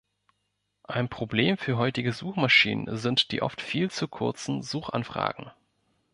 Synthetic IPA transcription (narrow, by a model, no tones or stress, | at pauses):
ʔaɪnpʁ̥obleːmfyːɐɦɔʏtɪɡəzuːxmaʃḭːnə̰nzɪntd̥ḭːʔɔ̰ftfiːlt͡sukʰʊɐt͡sn̩zuːxa̰nfʁ̥a̰ːɡ̥ŋ̩